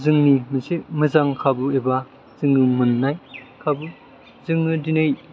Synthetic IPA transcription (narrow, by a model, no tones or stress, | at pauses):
zɯŋnimɯsemɯzaŋkʰabɯeba | z̥ɯŋːɯmɯnːajkʰabu | zɯŋːɯdinɯj